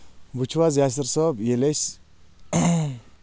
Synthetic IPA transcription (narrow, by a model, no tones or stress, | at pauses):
but͡ʃʰwazjas̬əɾsɔbjeles